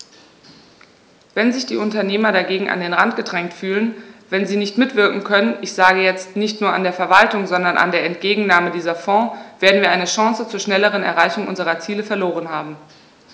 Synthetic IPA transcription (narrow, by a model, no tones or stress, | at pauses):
vɛnzɪçd̥ḭːʔʊntɐneːmɐɾaɡeːɡŋ̩ʔa̰ndeːnʁantɡ̥ədʁɛŋktfyːlənvɛnziːnɪçtmɪtv̥ɪɐkŋ̩kʰœnənʔɪçz̥aːɡəjɛt͡stnɪçtnuːɐandeːɐfɛɐvaltʊŋzɔndɐnʔa̰ndeːɐɛntɡ̥eːɡŋ̩naːmədiːzɐfɔ̃ːv̥eːɐdn̩viːɐʔaɪnəʃãŋsət͡suːɐʃnɛləʁ̞ənɛ̰ɐʁaɪçʊŋʔʊ̰nzəʁɐt͡siːləfɛɐloːʁ̞ənɦaːbm̩